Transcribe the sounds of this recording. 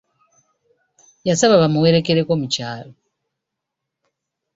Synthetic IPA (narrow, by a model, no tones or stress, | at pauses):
jasaβaβamuweɾekeɾekwomut͡ʃaːɾɔ